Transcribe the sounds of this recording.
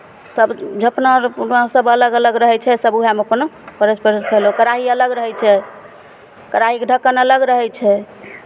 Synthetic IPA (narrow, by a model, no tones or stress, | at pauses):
səbd͡ʒəpnəsəbələɡələɡɾəɦɛt͡ʃʰɛsəbuɦameəpənpəɾəspəɾəskʰəlɦokəɾaɦiələɡɾəɦɛt͡ʃʰɛ | kəɾaɦikeɖʱəkːənələɡɾəɦɛt͡ʃʰɛ